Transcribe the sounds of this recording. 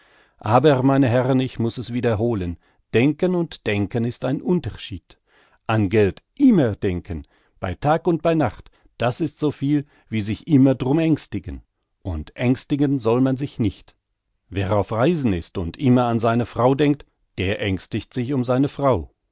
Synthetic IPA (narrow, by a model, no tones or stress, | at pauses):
ʔaːbəʁmaɪnəɦɛʁənɪçmʊsɛsv̥iːdɐɦoːlən | d̥ɛŋkənʊntd̥ɛŋkənɪstaɪnʔʊntɐʃiːt | ʔanɡɛltʔɪmɐdɛŋkʰən | b̥a̰ɪtʰaːkʊnt̚b̥aɪnaχt | d̥asɪstz̥oːfiːl | viːzɪçʔɪmɐdʁʊmɛŋstɪɡən | ʔʊntʔɛŋstɪɡənzɔlmanzɪçnɪçt | veːʁaʊfʁaɪzn̩ɪstʊntʔɪmɐanzaɪnəfʁ̥aʊdɛŋk̚t | d̥eːɐʔɛŋstɪçtz̥ɪçʊmzaɪnəfʁ̥aʊ